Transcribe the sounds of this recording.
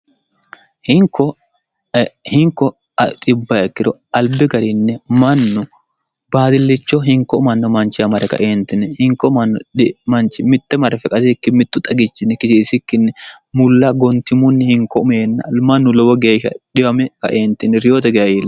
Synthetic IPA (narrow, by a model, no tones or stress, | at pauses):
hɪŋkːɔ | hɪŋkɔ | ɐt̪ʼɪbːɐɛkːɪɾɔɐlbɪɡɐɾɪnːɛmɐnːʊ | b̥aːd̪ɪlːɪt͡ʃːɔɦɪŋkːɔmɐnːɔmɐnt͡ʃːɪjɐmɐɾɛkɐ̰ʔeːnt̪ɪnɛhɪŋkɔmɐnːɔ̰mɐnt͡ʃːɪmɪt̪ːɛmɐɾɛfɛkʼɐt̪ɪkːɪmɪt̪ːʊt̪ʼɐɡɪt͡ʃːɪnːɛkɪsiːsɪkːɪnːɛ | mʊlːaɡɔnt̪ɪmʊnːɪhɪŋkɔʊmeːnːɐ̰mɐnːʊlɔbɔɡe̞ːʃɐ̰ᶑɪwɐmɛkɐ̰ʔeːnt̪ɪnːɛɾɪjoːt̪ɛɡɛjɐjilɐ